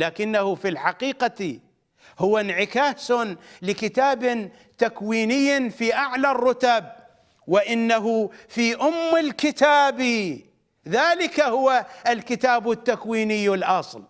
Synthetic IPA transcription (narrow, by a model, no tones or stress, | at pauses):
laːkɪnːahufilħaqiːqa | hʊwːanʕɪkaːsnlɪkɪt̪aːb | t̪akwiːnɪjːfiʔaʕlarˤːʊt̪ab̚ | wɪʔɪnːaɦʊfiʔʊmːɪlkɪt̪aːbi | ðaːlɪkahʊwaʔalkɪt̪aːbʊt̪ːakwiːnɪjːɪlʔɑsˤl